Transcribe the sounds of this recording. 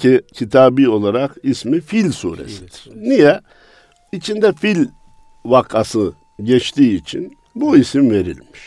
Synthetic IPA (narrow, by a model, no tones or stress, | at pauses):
icʰit̪ʰaːbio̞lˠaɾakismifilʲsṵːɾḛsid̪̥iɾ̥nijɛ | it͡ʃʰind̪ɛfilʲ | vakʰasɯ | ɟɛt͡ʃt̪ʰiːt͡ʃʰḭn | buisimve̞ɾḭlʲmiʃ